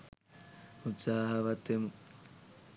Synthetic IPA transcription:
ut̪saːɦɐʋɐt̪emu

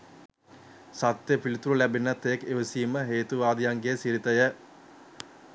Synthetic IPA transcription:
sat̪jəpilit̪uɾulæbenːat̪ːejkeʋəsiːməɦeːt̪uʋaːd̪ijaŋɡesiɾit̪əjə

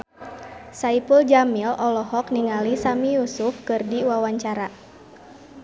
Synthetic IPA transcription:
saipuld͡ʒamilɔlɔɦɔkniŋalisamijusufkɨrdiwawaɲt͡ʃaɾa

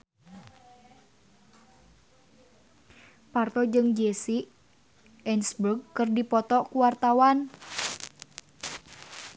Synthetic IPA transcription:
part̪ɔd͡ʒɨŋd͡ʒesi | ɛnsburɡ̚kɨrdipɔt̪ɔkuwart̪awan

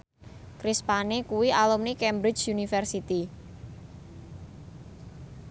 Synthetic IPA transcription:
kɾispanekuwiʔalumnikɛmbɾɪt͡ʃjunifɛrsit̪i

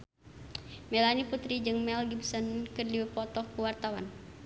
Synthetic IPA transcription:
mɛlaniput̪ɾid͡ʒɨŋmɛlɡibsɔnkɨrdiwpɔt̪ɔkuwart̪awan

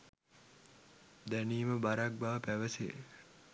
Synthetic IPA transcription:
d̪æniːməbaɾak̚baːpæʋəsḛ

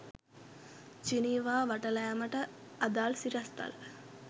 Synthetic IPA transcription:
t͡ʃiniːʋaːʋaʈəlɐjaməʈəad̪aːlsiɾɐst̪a̰lə

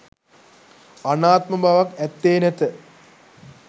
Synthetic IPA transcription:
ɐnaːt̪̚mɐbʱaʋɐkɛt̪ːeːnet̪ə

